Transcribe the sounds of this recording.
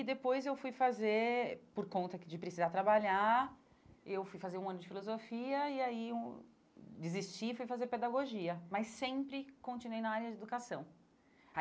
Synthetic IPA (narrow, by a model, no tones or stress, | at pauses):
ɪd̪epojzewfujfazeɾpoɾkõnt̪ɐkɪd͡ʒɪpɾɪsizat̪ɾabaʎa | ewfujfazeɾũɐ̃nʊd͡ʒɪfilozofiɐɪaiũ | d͡ʒɪzist͡ʃifujfazeɾped̪aɡoʒiɐmɐsẽpɾɪkõt͡ʃinuwejnaaɾjɐd͡ʒɪed̪ukasɐ̃w̃